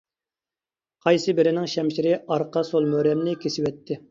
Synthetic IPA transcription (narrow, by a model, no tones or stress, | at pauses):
qʰɑjsɨbɪɾɪnɪŋʃɛmʃiɾɪɑɾqʰɑsolˠmøɾɛmnɪkʲʰesɪwɛt̪ʰːɪ